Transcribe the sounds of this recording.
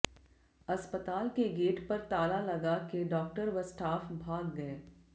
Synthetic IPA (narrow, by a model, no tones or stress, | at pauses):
ɐspət̪aːlkeɡeːʈpɐɾt̪aːlalɐɡakeɖɔːk̚ʈəɾʋɐsʈaːfbʱaːɡːɐeː